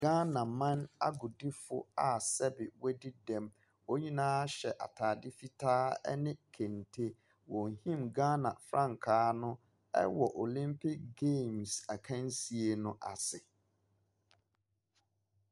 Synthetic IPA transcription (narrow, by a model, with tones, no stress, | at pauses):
ɡ̥a˦nã˨mã˦na˦ɡʊ˨di˦fʊ̰˦a˨sɛ˦bɪ˨wɛ˦di˦dɛ̃˨m | o˦ɲĩ˦nãː˦a˦ɕɛ˨ʔa̰˨tʰaː˨dɪ˦fi˦tʰaː˦ɛ̰˦nɪ̃˦kʰẽ˨ntʰe˦ | wɔ̃˨hĩ˦mɡaː˦nã˨fɾã˦˨ŋ˨kʰaː˦nʊ̃˦ | ɛ̰˦wɔ˨ʔo˨lĩ˦mpʰɪ˦kɡe˦˨msa˨kʰã˦n˦si˨e˨nʊ̃˦ʔa̰˨sɪ˨